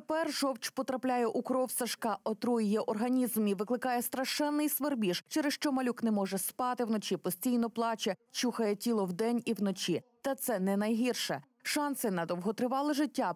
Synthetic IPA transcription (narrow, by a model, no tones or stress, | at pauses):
epɛrʒɔwt͡ʃpɔt̪ɾɐplʲajɛʔukɾɔwsɐʃkɑʔɔt̪ɾujɪjɛʔɔrɦɐnʲizmiʋɪklˠɪkɑjɛst̪ɾɐʃɛnːɪjsʋerbʲiʃt͡ʃɛɾɪsʃt͡ʃɔmɐlʲuknɛmɔʒɛspɑt̪ɪwnɔt͡ʃipɔsʲtʲijnɔplˠɑt͡ʃɛt͡ʃuxɐjɛtʲilˠɔwd̪ɛnʲiwnɔt͡ʃit̪ɐt̪sɛnɛnɐjɦirʃɛ | ʃɑnsɪnɐd̪ɔwɦɔt̪ɾɪʋɑlˠɪʒɪtʲːa